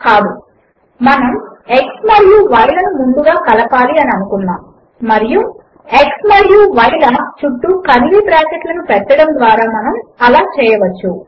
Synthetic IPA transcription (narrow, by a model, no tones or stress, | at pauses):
kaːd̪u | mɐnɐme̞ksmɐɾijuʋɐjlɐnumuɳɖ̪uɡaːkɐlɐpaːliɐniɐnukunːaːm | mɐɾiju | e̞ksmɐɾijuʋɐjlɐːt͡ʃuʈːukɐniʋiʈɾaːkeʈlɐnupɛʈːɐɽɐnd̪ʋaːɾaːmɐnɐmɐlaːt͡ʃɛːjɐʋɐt͡ʃːu